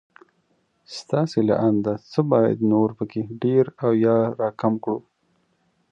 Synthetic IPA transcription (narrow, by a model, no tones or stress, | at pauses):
st̪ɑsela̰ʔand̪at͡səbɑja̰d̪noɾpəkeɖeɾawjɑɾɑkamkɽu